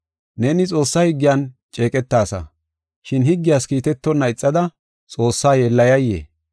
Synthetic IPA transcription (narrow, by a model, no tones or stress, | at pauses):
neːnɪt͡sʼo̞ːsːɐhɪɡːɪjant͡ʃʼe̞ːkʼɛt̪ːaːsɐ̰ | ʃɪnhɪɡːɪjaːskiːt̪ɛt̪ːɔnːɐɪt͡sʼːɐd̪ɐ | t͡sʼo̞ːsːaːjɛlːɐjɐjːḛː